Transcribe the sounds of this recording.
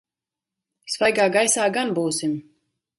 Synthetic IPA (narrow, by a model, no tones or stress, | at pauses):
svajɡaːɡajsaːɡanbuːsim